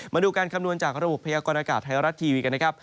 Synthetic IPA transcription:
maː˧duː˧kaː˧nkʰa˧mnu˧ənt͡ɕaː˨˩k̚ɾa˧bo˨˩pʰːa˧jaː˧kɔː˧nʔaː˧kaː˨˩t̪̚ʰːa˧˩jɾa˦˥t̪ʰːiː˧wiː˧ka˧nː˦˥kʰa˦˥p̚

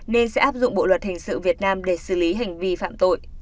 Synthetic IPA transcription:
ne˧nsɛ̰˧˥ʔaː˦˥p̚zʊ̰˧˨ŋ͡mɓo̰˧˨lwə˨˩t̚hï˨˩ŋ̟sɨ̰˧˨vi˨˩ət̚naː˧mɗe˧˩sɨ˧˩li˨˦ɦa˨˩jŋ̟vi˧fa̰ː˧˨mt̪o̰˧˨jʔ

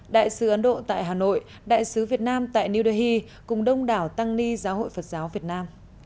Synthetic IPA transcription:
ɗa̰ː˧˨jsɨ˨˦ʔə˨˦nɗo̰˧˨t̪a̰ː˧˨jɦaː˨˩no̰˧˨j | ɗa̰ː˧˨jsɨ˨˦vi˨˩ət̚naː˧mt̪a̰ː˧˨jni˧wɗe˨˧˦hi˧ | kʊ˨˩ŋ͡mɗə˧wŋ͡mɗaː˨˩wt̪a˧ŋli˧zaː˨˦ɦo̰˧˨jfə˨˩t̚zaː˨˦wvi˨˩ət̚naː˧m

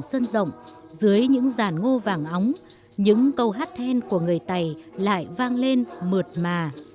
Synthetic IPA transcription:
ŋsə˧nzə̰˧˨wŋ͡mzɨ˨˦əjɲɨ̰˧˥ŋzaː˧˩nŋo˧vaː˨˩ŋʔa˨˦wŋ͡m | ɲɨ̰˧˥ŋkə˧wɦaː˦˥t̚t̪ʰɛ˧nku˧˩əŋɨ˨˩əjt̪a˨˩jla̰ː˧˨jvaː˧ŋle˧nmɨ˨˩ət̚maː˨˩

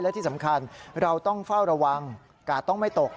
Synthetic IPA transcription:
jlɛ˦˥t̪ʰi˥˩sa˩˦mkʰa˧nɾa˧wt̪ɔ˥˩ŋfa˥˩wɾa˧wa˧ŋ | kaː˨˩t̪ɔ˥˩ŋma˥˩jt̪o˨˩k̚

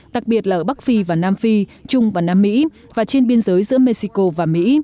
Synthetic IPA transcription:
ɗa˨˩k̚ɓi˨˩ət̚lːʔəː˧˩ɓa˦˥k̚fi˧vaː˨˩naː˧mfi˧t͡ɕʊ˧ŋ͡mvaː˨˩naː˧mːḭ˧˥ | vaː˨˩t͡ɕe˧nɓi˧ənzəː˨˦jzɨ̰˧˥əme˧si˧ko˧vaː˨˩mḭ˧˥

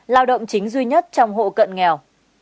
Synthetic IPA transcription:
laː˧wɗə̰˧˨wŋ͡mt͡ɕï˨˦ŋ̟zwi˧ɲə˦˥t̚t͡ɕɔ˧wŋ͡mɦo̰˧˨kə̰˧˨nŋɛ˨˩w

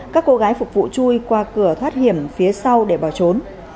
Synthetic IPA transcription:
kaː˦˥kːo˧ɣaː˨˦jfʊ˨˩k͡p̚vṵ˧˨t͡ɕu˧jkwaː˧kɨ˧˩ət̪ʰwaː˦˥t̚hi˧˩əmfi˨˦əsa˧wɗe˧˩ɓɔ˧˩t͡ɕo˨˦n

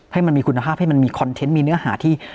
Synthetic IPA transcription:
ha˥˩jma˧nmiː˧kʰu˧nːa˧pʰaː˥˩p̚ha˥˩jma˧nmiː˧kʰɔ˧nt̪ʰe˦˥nmiː˧nɯ˦˥ɐhaː˩˦t̪ʰiː˥˩

